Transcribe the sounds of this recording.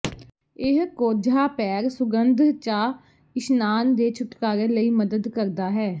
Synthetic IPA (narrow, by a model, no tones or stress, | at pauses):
ɪɦkoːd͡ʒʱaːpɛːɾsʊɡənd̪ʱt͡ʃaː | ɪʃnaːnd̪eːt͡ʃʰʊʈkaːɾeːləiːməd̪əd̪kəɾd̪aːɦɛː